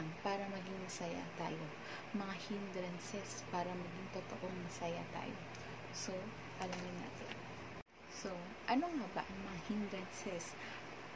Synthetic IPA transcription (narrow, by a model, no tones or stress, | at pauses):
ŋpaːɾɐmɐɡɪŋmɐsɐja̰t̪a̰ːjo̞ | mɐŋahɪnd̪ɾɐnsɛspaːɾɐmɐɡɪŋt̪ot̪o̰ʔo̞ŋmɐsɐja̰t̪a̰ːjo̰ | so̞ | ʔɐlamjɪnːa̰ːt̪ɪn | so̞ | ʔɐnoŋaːbɐ̰ʔɐŋmɐŋahɪnd̪ɾɐnsɛs